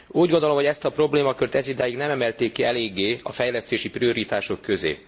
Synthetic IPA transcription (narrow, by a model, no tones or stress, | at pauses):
uːɟɡo̞nd̪olo̞mho̞ɟɛst̪ɒpro̞bleːmɒkørt̪ɛzid̪aːjiɡnɛmɛmɛlt̪eːkːiɛleːɡːeːɒ̰fɛjlɛst̪eːʃiprio̞ɾit̪aːʃo̞kːø̞zḛː